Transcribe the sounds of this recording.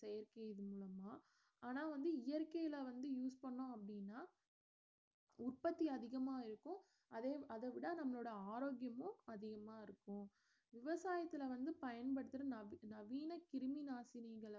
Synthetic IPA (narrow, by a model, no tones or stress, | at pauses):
sɛjɐɾkɐɪðɯmuːlɐmaː | aːnaːʋɐnd̪ɯɪjɐɾkɐjɪlɐʋɐnd̪ɯjuːspɐɳːʊ̃ɐpːɐɽɪnːaː | ʊrpɐt̪ːiɐðɪɣɐmaːɪɾɯkːʊ̃ | ɐðeːɐðɐʋɪɽaːnɐmːɐɭoːɽɐaːɾoːɡjɐmʊ̃ɐðɪɣɐmaːɪɾɯkːʊ̃ | ʋɪʋɐsaːjɐt̪ːɪlɐʋɐnd̪ɯpɐjɐnpɐɽɯt̪ːɯɾɐnɐnɐʋiːnɐkɪɾɯmɪnaːsɪniːɡɐɭ